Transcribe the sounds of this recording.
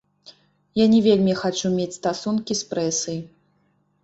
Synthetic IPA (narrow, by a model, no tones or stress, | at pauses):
janʲɛvʲelʲmʲixat͡ʂumʲet͡sʲst̪asunkʲispɾɛsɨj